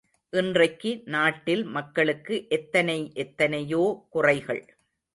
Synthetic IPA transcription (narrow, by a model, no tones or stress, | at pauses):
ʔɪndrɐɪkːɯnaːʈːɪlmɐkːɐɭɯkːɯʔɛt̪ːɐnɐɪʔɛt̪ːɐnɐjoːkʊrɐɪɣɐɭ